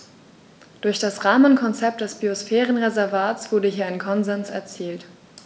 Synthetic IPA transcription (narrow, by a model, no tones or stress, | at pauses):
d̥ʊɐçd̥asʁaːmənkʰɔnt͡sɛp̚td̥ɛsb̥iosfɛːʁənʁezɛɐvaːtt͡sv̥ʊɐdəɦiːɐaɪnkʰɔnzɛnsɛɐt͡siːlt